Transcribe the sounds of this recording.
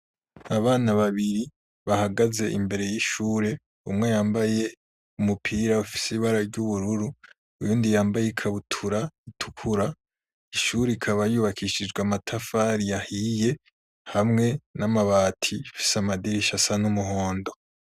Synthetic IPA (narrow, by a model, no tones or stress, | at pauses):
aβaːnaβaβiɾi | βahaɡaze̞̰ʔḭmbe̞ɾe̞jiʃuːɾe̞ | umŋe̞jaːmbaje̞ | umupʰiːɾaufi̥siβaɾaɾɟuβuɾuɾu | ujuːndijaːmbajekʰaβutʰuɾaitʰu̥kʰuɾa | iʃuːɾeikʰaβajuːβakʰiʃid͡ʒɡwamatʰafaɾijahije̞ | hamŋe̞namaβaːtʰifi̥samadiɾiʃasanumuɦo̞ːndo̞